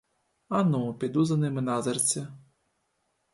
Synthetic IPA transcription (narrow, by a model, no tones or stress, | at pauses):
anupʲid̪uzɐnɨmɨnazɐrt͡sʲɐ